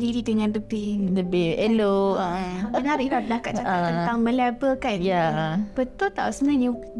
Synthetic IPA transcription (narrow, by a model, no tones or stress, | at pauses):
diɾid̪əŋãnd̪ut̪iləbeelo | ənaɾiɾadakat̪̚t͡ʃaat̪ənt̪aŋmə̃lɛbəkanjabət̪ʊlt̪a̰ʔusəmənani